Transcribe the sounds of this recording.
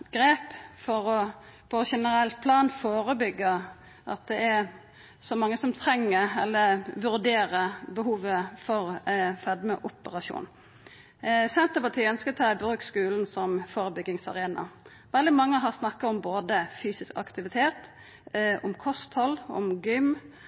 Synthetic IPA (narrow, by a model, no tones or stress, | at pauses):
ɡ̥ɾeːpfɔɾɔpʰɔʃɛnəɾɛlt̪̚pʰlɑːnfoːɾəbʏɡːə | ʔɑ̰t̪̚d̪ɛɛɾ | sɔmɑŋːəsɔmt̪ʰɾɛŋːəɛ̰lːəʋʉɾd̪eːɾəbəɦuːʋəfɔɾfɛd̪məʔʊpəʁɑʃṵːn | sɛnt̪əpɑt̪ʰiːœnskət̪ʰɑːbɾʉːkskʉːln̩sɔmfoːɾəbʏɡɪŋsɑ̰ʁeːnɑ̰ | ʋɛld̪ɪmɑŋːəɦɑʁsnɑkːɑɔmboːd̪əfyːsɪskɑ̰kt̪ɪʋɪt̪ʰeːt̪ | ɔmkʰɔst̪hɔlːɔ̰mɡʏm